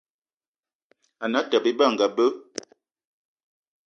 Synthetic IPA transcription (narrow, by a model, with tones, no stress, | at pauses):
a˨na˨˦ta˨be˦ba˦˨ŋɡa˨bə˦